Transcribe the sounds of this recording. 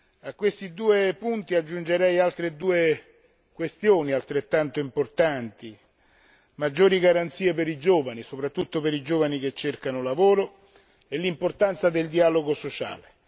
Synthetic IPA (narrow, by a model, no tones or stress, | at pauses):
akːwest̪id̪uːepunt̪iad͡ʒːund͡ʒeɾɛjalt̪ɾed̪uːe | kwest̪joːnialt̪ɾet̪ːant̪oimport̪ant̪i | mad͡ʒːoːɾiɡaɾant̪siːepeɾid͡ʒoːvanisopɾat̪ːut̪ːopeɾid͡ʒoːvanik̟et͡ʃːerkanolavoːɾo | elːimport̪ant̪sad̪eld̪ialoɡosot͡ʃa̰ːle